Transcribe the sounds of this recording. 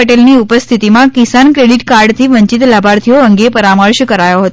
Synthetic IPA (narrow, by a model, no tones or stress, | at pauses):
əʈelniupəst̪ʰit̪imãkisankɾeɽiʈkaɾɖt̪ʰiʋəɲt͡ʃit̪labʱaɾt̪ʰijoəŋɡepəɾaməɾʃkəɾajoɦət̪